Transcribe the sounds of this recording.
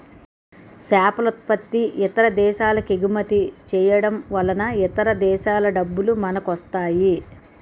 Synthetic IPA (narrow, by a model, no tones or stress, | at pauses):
saːpɐlut̪̚pɐt̪ːiʔit̪ɐɾɐd̪ɛːʃaːlɐkeɡumɐt̪it͡ʃɛːjɐɽɐmʋɐlɐnɐit̪ɐɾɐd̪ɛːʃaːlɐɖɐbːulumɐnɐkɐst̪aːji